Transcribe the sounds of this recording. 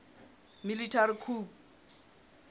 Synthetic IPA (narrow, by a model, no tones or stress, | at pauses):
militʰaɾikʰuːp